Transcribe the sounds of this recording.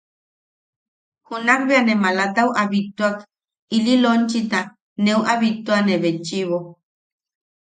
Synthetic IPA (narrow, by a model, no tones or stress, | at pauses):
hunakbeanemalat̪auʔaβit̪uak | ililont͡ʃit̪a | newʔaβit̪uaneβet͡ʃiβo